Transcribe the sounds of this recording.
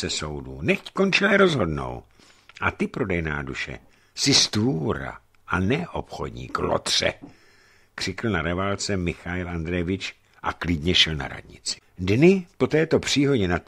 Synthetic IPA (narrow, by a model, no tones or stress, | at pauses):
sɛso̞wduːnɛxckont͡ʃɪlɛɾo̞zɦo̞dno̞̰w | ʔat̪ɪpɾo̞dɛjna̰ːduʃɛ̰ | sɪst̪vuːɾa̰ | ʔanɛʔopxo̞̰dɲḭːklo̰t̪r̝̥ɛ̰ | kr̥ɪkl̩naɾɛvalt͡sɛmɪxaɪlʔand̪ɾɛvɪt͡ʃ | ʔaklɪdɲɛʃɛlna̰ɾa̰dɲɪt͡sɪ̥dnɪpo̞t̪ɛːt̪o̞pr̝̥iːɦoɟɲɛnat̪